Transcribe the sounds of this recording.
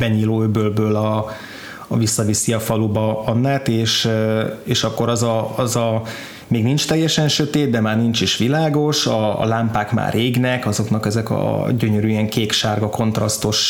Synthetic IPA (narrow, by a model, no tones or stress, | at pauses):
bɛɲiːloːøbøːlbøːlɒ | visːɒvisiɒfɒlubɒɒnːaːt̪eːʃ | eːʃɒkːoɾɒzɒɒzɒ | meːɡnint͡ʃt̪ɛjːɛʃɛnʃøt̪eːd̪̚d̪ɛmaːrnint͡ʃiʃʋilaːɡo̞ʃɒ̰laːmpaːkma̰ːreːɡnɛkɒzo̞knɒkɛzɛkɒ̰ɟøɲøɾyːɛŋkeːkʃaːrɡɒko̞nt̪rɒst̪oʃ